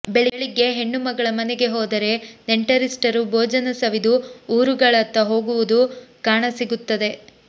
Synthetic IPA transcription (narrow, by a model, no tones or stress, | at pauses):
beɭiɭiɡe̞ɦe̞ɳːumɐɡɐɭɐmɐneɡe̞ɦɔːd̪ɐɾe̞neɳʈɐɾisʈɐɾubʱɔːd͡ʒɐnɐsɐʋid̪uuːɾuɡɐɭɐt̪ːɐɦo̞ːɡuʋud̪ukaːɳɐsiɡut̪ːɐd̪e̞